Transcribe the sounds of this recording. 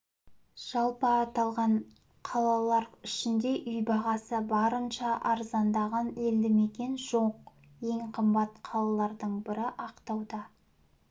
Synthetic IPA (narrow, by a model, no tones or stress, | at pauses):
ʒ̥ɑlˠpəːt̪ɑlˠʁɑɴ | qʰɑlˠɑlˠɑɾɪʃɪnd̪e̞ʔʏjbɑʁɑsəbɑɾənʃɑʔɑɾzɑnd̪ɑʁɑneld̪ɪme̞kʲe̞nʒo̞q̚ | je̞ŋqʰəmbɑt̪qʰɑlˠɑlˠɑɾd̪əɴbɪɾɪʔɑqt̪ɑwd̪ɑ